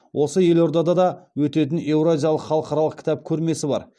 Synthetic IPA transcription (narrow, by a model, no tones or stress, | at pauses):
wʔo̞səje̞lo̞ɾd̪ɑd̪ɑd̪ɑwɵt̪e̞t̪̬ɪne̞wɾazʲijalˠəqχɑlˠəqɑɾɑlˠəq̚kʲɪ̥t̪ɑp̚kʲʰɵɾme̞sɪbɑ̰ɾ